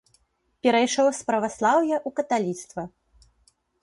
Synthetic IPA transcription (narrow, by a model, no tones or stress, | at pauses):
pʲɛɾɐjʂɔwspɾɐvaslˠawjɐʔukɐt̪alʲit̪st̪vɐ